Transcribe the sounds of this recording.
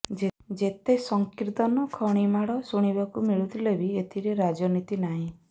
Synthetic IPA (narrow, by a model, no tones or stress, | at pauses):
d͡ʒed͡ʒet̪esɔŋkiɾt̪ɔnɔkʰɔɽ̃imaɽɔsuɽ̃ibakumiɭut̪ʰilebiet̪ʰiɾeɾad͡ʒɔnit̪inaɦĩ